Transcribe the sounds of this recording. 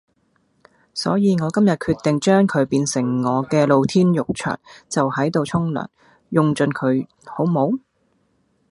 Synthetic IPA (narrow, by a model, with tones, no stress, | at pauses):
sɔ̰ː˨˥jiː˨˧ŋɔː˨˧kɐ˥mjɐ˨t̚kʰyː˧t̪ːɪ˨ŋt͡ʃœː˥ŋkʰɵ˨˧ɥpiː˧nsɪ˨˩ŋːɔː˨˧kɛː˧lo˨˧wt̪ʰiː˥njʊ˨k̚t͡ʃʰœ̰ː˨˩nt͡sɐ˨whɐ˨˥jt̪o˨˧wt͡ʃʰʊ˥ŋlœ̰ː˨˩n | jʊ˧ŋt͡ʃɵ˧nkʰɵ˨˧ɥ | ho˨˥wmo˨˥w